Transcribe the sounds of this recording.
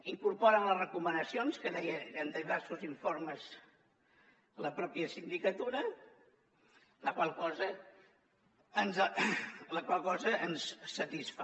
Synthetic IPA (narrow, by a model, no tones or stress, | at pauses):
iŋkuɾpɔɾənlərəkumənəsionskəðɛjəənd̪iβɛrsuziɱfoɾməz | ləpɾɔpiəsind̪ikət̪uɾə | ləkwalˠkɔzə | ənz | ləkwalˠkɔzəʔənsːət̪isf